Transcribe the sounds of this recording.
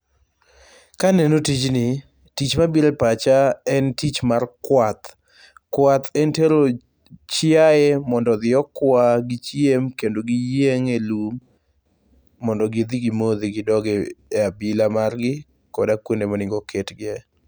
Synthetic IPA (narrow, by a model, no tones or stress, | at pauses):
kanenotit͡ʃnɪ | tit͡ʃmabiɾepat͡ʃaɛntit͡ʃmarkwat̪ | kwat̪ɛnteɾo | t͡ʃjɪaemɔndɔd̪ɪɔkwaɡɪt͡ʃjemkendoɡijeŋelum | ɔndɔɡid̪iɡimod̪iɡɪdɔɡɛːabilamarɡɪ | kɔdakwondemɔnɪŋɡɔkʰetɡɪɛ